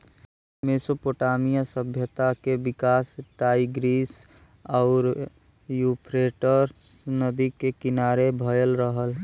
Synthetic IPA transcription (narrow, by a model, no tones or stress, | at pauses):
mesopoʈamijasəbʱjət̪akebikaːsʈaiɡɾis | ɔʊɾ | jupʰɾeʈəɾnəd̪ikekinaɾebʱəjəlɾəɦəl